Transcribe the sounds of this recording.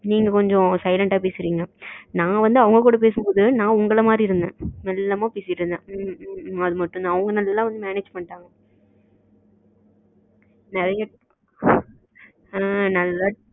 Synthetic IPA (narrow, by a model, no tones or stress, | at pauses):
niːŋɡɐkɔɲd͡ʒɔ̃sɐɪlɐɳʈaːpeːsɪɾiːŋɡɐnãːʋɐnd̪ɯɐʋɐŋɡɐkuːɽɐp̬eːsɯmboːðɯnãːʊŋɡɐɭɐmaːd̪ɾiɪɾɯnd̪ḛ̃ːnɛlːɐmaːpeːsɪʈːɾɯnd̪ɛ̃ː | ɐðɯmɐʈːɯʊnãːɐʋɐŋɡɐnɐlːɐlːãːʋɐnd̪ɯmaːneːd͡ʒpɐɳʈːaːŋɡɐ | nɛɾɐja | nɐlːa